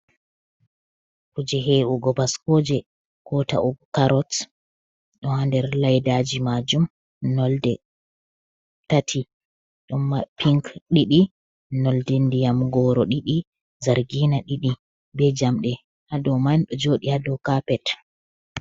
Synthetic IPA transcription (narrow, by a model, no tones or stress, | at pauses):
kud͡ʒɛɦeʔuɡɔbaskɔd͡ʒɛ | kɔta̰ʔukaɾɔt | ɗɔhandɛɾlajdad͡ʒimad͡ʒum | nɔldɛ | tatʰi | ɗɔmːapʰiŋkɗiɗi | nɔldɛndijamɡɔːɾɔɗiɗi | zaɾɡinaɗiɗi | bɛd͡ʒamɗɛ | hadɔmanɗɔd͡ʒoːɗihadɔkapɛt